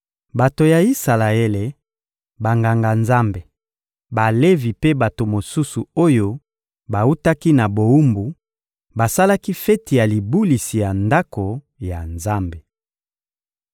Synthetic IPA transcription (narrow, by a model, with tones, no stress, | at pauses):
ba˨to˨ja˨i˦sa˨la˨e˦le˨ | ba˨ŋɡa˨ŋɡa˨nza˦mbe˨ | ba˨le˦vi˨pe˦ba˨to˨mo˨su˦su˨o˦jo˦ | ba˨u˦ta˦ki˦na˨bo˨u˦mbu˨ | ba˨sa˦la˦ki˦fɛ˦ti˨ja˨li˨bu˦li˨si˨ja˨nda˦ko˨ | ja˨nza˦mbe˨